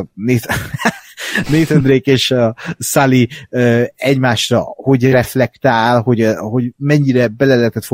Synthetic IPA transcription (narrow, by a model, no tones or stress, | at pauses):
neːt̪ | neːt̪ønd̪ɾeːkeːʃɒsaliøːɛɟmaːʃrɒ̰ho̞ɟɾɛflɛkt̪aːlho̞ɟho̞ɟmɛɲːiɾɛbɛlɛlɛɛt̪ɛt̪fo